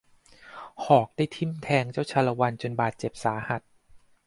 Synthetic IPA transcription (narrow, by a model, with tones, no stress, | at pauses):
hʰɔː˨˩k̚daː˥˩jt̪ʰi˥˩mt̪ʰɛː˧ŋt͡ɕa˥˩wt͡ɕʰa˧la˧wa˧nt͡ɕo˧nbaː˨˩t̪̚t͡ɕe˨˩p̚saː˩˦ha˨˩t̪̚